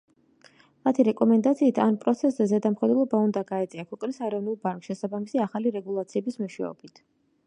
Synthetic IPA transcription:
mat̪ʰiɾɛkʼɔmɛnd̪at̪sʰiːt̪ʰanpʼɾɔt̪sʰɛszɛzɛd̪amχɛd̪wɛlˠɔbaund̪aɡaɛt̪sʼiakʰɔkʼnisaɛɾɔvnulˠbaŋkʼʃɛsabamisiaχaliɾɛɡulˠat̪sʰiɛbismɔʃwɛ̰ɔ̰bit̪ʰ

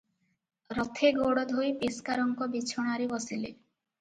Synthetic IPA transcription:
ɾɔt̪ʰeɡoɽɔd̪ʱojpiskaɾɔŋkɔbit͡ʃʰɔɽ̃aɾibɔsile

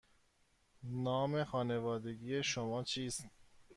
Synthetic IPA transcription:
nɒːme̞xɒːne̞vɒːd̪e̞ɡiːjeʃomɒːt͡ʃʰiːst̪

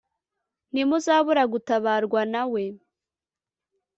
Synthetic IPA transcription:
nimuzaːβuɾaɡutaβaːɾɡwanawe̞

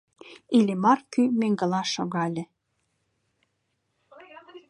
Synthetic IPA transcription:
ilʲemɑrkymeŋɡə̆lɑʃoɣɑlʲĕ

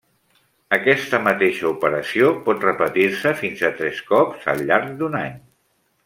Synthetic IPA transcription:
əkɛst̪əmət̪eʃəupəɾəsiopɔt̪rəpət̪iɾsəfinzət̪ɾɛskɔpz̥ə̰lˠʎːaɾk̚d̪unaɲ

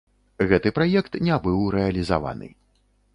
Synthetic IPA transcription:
ɣɛt̪ɨpɾajɛkt̪nʲɛabɨwɾɛɐlʲiza̰va̰nɨ̰

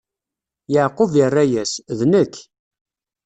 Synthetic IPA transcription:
jəʕqːovirˤːæjæsðnəkː

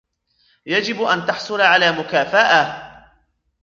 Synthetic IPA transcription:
jad͡ʒɪbʔant̪aħsˤʊlaʕalaːmʊkaːfaʔa

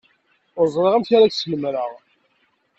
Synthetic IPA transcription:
ʊɾzˤɾeʁæmçaɾaksələmɾəʁ

